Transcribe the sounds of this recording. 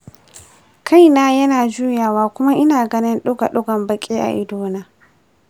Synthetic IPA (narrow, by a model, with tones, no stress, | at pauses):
kʰa˦˨jnaː˦jɐ˦naː˨d͡ʒuː˦jaː˨waː˦kʷʊ˦ma˦ʔɪ˦naː˨ɡɐ˦nɪ˦nɗʊ˦ɡa̰˨ɗʊ˦ɡɐ˨mbɐ˨kʲʼeː˦ʔa̰˨ʔɪ˦doː˦naː˦